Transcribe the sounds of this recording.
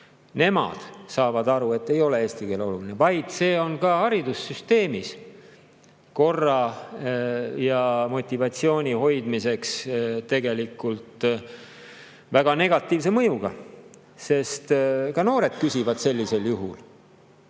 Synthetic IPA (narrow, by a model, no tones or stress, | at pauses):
ne̞mɑ̰d̪̥sɑːvɑd̪ɑɾue̞t̪ːe̞jo̞le̞eːst̪ikeːlo̞lulinevɑjd̪̥se̞ːo̞nkɑhɑɾid̪̥usːyst̪e̞ːmis | ko̞rːɑ | jɑmo̞t̪ʲːˑivɑt̪sio̞ːnʲiho̞jd̪̥mise̞kst̪ːe̞ɡe̞likːˑult̪ | væɡ̥ɑne̞ɡ̥ɑt̪ːˑiːvs̬emɤjuɡ̥ɑ̰ | se̞st̪kɑno̞ːɾe̞d̪̥̚kysʲivɑd̪̥se̞lʲːise̞ljuɦṵl